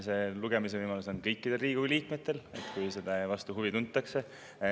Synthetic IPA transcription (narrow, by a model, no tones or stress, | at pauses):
se̞luɡe̞mis̬e̞ɤjmɑluso̞nkɤjkːid̪̥e̞lriːɡ̥uliːkme̞t̪ːe̞le̞̰t̪kujselevɑst̪uɦuvit̪unt̪ːˑɑkse̞